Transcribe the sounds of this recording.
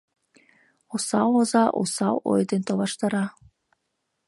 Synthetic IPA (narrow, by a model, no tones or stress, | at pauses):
osɑwozɑʔo̰sɑwo̰jd̪ent̪oβɑʃt̪ɑɾɑ